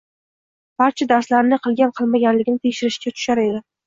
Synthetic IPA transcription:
b̥aɾt͡ʃʰad̪aɾslaɾɪnɪqʰɨlˠɡʲanqʰɨlˠmaɡʲanlɪɡʲɪnɪt̪ʰekʲʃɪɾɪʃkʲat̪ʰʊ̥ʃaɾed̪ɪ

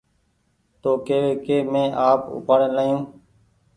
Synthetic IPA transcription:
t̪oːkeːʋeːkeːmẽːʔaːpʊ̰paːɽẽːlaːjũː

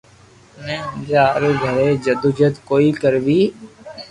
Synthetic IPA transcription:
nɛ̃ːə̃d͡ʒaːɾeɡʱəɾeːd͡ʒəd̪ud͡ʒəd̪koːiːkəɾʋiː

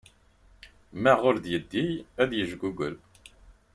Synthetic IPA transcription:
mæʁʊɾðjəd̪ːijæðjəʒɡuɡəl

